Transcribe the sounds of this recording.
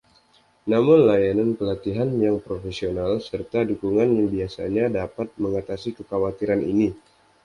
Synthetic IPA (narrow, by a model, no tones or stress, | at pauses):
namʊnlajanankəlat̪iɦanjaŋpɾofesionalsərt̪adukuŋanjaŋbiasa̰ɲadapat̪̚məŋat̪asikəkawat̪iɾanḭni